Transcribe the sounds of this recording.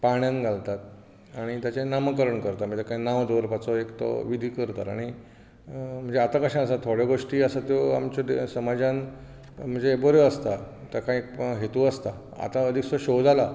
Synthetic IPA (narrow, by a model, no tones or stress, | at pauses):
paɳjãnɡʱalt̪at̪̚ | aɽ̃it̪jat͡ɕenaməkəɾəɳkəɾt̪aməd͡ʑakainaʋd̪ʱoɾpat͡sɔekt̪ɔ̰ʋid̪ʱiːkəɾt̪aɾa̰ɽ̃i | m̤əɳd͡zeat̪akəɕãəsat̪ʰoɽjeɡoʂʈiːəsat̪joa̰mt͡ɕɔd̪esəmad͡ʑãn | m̤əɳd͡zeːboɾeəst̪a | t̪akãkɦet̪uəst̪a | a̰t̪aəd̪ʱiksɔɕod͡zala